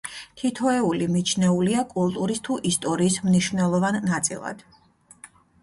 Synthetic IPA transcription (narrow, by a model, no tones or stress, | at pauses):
t̪ʰit̪ʰɔɛulimit͡ʃʰnɛuliakʼulˠt̪ʼuɾist̪ʰuʔist̪ʼɔɾiːsmniʃvnɛlˠɔvanːat̪sʼḭlˠa̰d̪̥